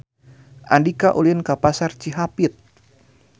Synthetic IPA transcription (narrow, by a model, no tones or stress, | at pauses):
ʔandikaʔulinkapasart͡ʃiɦapit̪̚